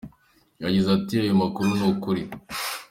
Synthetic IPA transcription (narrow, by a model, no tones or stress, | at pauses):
jaɟizatiajomakuɾunukuɾi